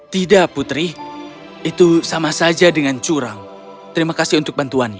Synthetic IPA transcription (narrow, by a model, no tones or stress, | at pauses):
t̪idaʔput̪ɾi | it̪usamasad͡ʒadəŋant͡ʃuɾaŋ | t̪əɾimakasiunt̪ʊk̚bant̪uana